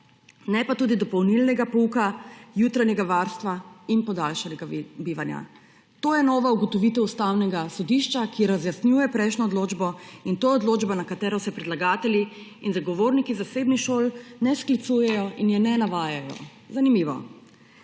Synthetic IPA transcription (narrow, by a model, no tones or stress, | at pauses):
nɛpat̪uːd̪id̪ɔpɔwnilnɛɡapuukajuːt̪ɾaɲɛɡaʋaɾst̪ʋainpɔd̪alʃanɛɡabiːʋanja̰ | t̪oːjɛnɔːʋauɡɔt̪ɔʋiːt̪ɛust̪awnɛɡasɔd̪iʃt͡ʃakiɾazjasnjuːjɛpɾɛjʃnɔːd̪loːd͡ʒbɔint̪oːjɛɔd̪loːd͡ʒbanakat̪ɛːɾɔsɛpɾɛd̪laɡaːt̪ɛli | inzaɡɔʋoːɾnikizasebnixʃoːlnɛsklit̪sujɛjɔʔinjɛnɛnaʋaːjajɔ̰ | zanimiʋɔ̰